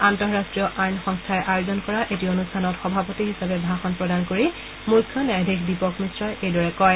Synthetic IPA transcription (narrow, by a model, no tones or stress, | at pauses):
antɔɹɹastɹijɔʔajnxɔŋstʰajʔajozɔnkɔɹaʔetionustʰanɔtxɔbʱapotiɦisabɛbʱaxɔnpɹɔdankoɹi | mukʰːjɔnajdʱɹikʰdipɔkmisɹɔjejdɔɹɛkɔj